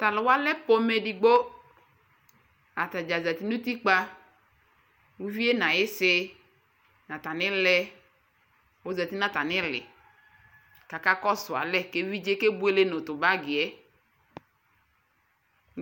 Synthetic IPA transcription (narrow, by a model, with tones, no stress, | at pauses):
t̪a˨lɪ˨wa˦lɛ˦po˦me˨di˨ɡ͡bo˦ | a˨t̪a˨d͡ʒa˨za˨t̪i˦nu˦t̪i˦k͡pa˦ | wu˦vi˦e˦nã˨jɪ˦sɪ˦ | nã˨ta˨nɪ̃˦lɛ˦ | wo˦˨za˨t̪i˦nã˦˨ta˨nɪ˦lɪ̰˨ | ka˨ka˦kɔ˦sʊ˨a̰˨lɛ˦ke˦vi˦d͡ʒe˦ke˦bu˦e˦le˦nʊ˨tʊ˨ba˦ɡɪ˨ɛ˨˦